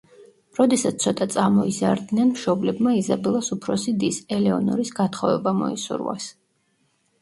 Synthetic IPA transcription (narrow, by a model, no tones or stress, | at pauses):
ɾɔd̪ɛsat̪ssʰɔt̪ʼat̪sʼamɔiza̰ɾd̪nɛnmʃɔblɛbmaizabɛlˠasupʰɾɔsid̪isɛlɛɔnɔ̰ɾisɡat̪ʰχɔvɛ̰bamɔ̰isṵɾwa̰s